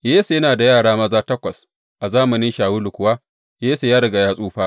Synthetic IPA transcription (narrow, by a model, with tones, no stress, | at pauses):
jeː˦se˨jɐ˦naː˨da˨jaː˦˨ɽaː˦mɐ˦zaː˦tɐ˦kʷɐ˨s | ʔa˨zaː˦mɐ˨nɪ˦ʃaː˨wu˦lʊ˨kʷʊ˨waː˦ | jeː˦se˨jaː˦ɽɐ˨ɡa˨jaː˦sʼuː˦ɸaː˦